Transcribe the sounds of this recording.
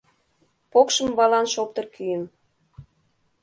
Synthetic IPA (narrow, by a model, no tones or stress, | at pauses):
pokʃəmβɑlɑnʃop̚t̪ɤ̆rkʰyjən